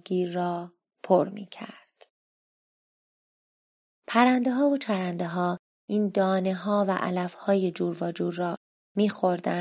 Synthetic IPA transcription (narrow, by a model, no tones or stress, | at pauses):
ɡiːɒː | pʰoɾmḭːcʰæ̰ɾd̪̥ | pʰæɾænd̪eɦɒːvot͡ʃʰæɾænd̪eɦɒː | ʔiːnd̪ɒːne̞ɦɒːvæʔæ̰læfhɒːje̞d͡ʒuːɾvɒːd͡ʒuːdrɒː | miːxoɾd̪æ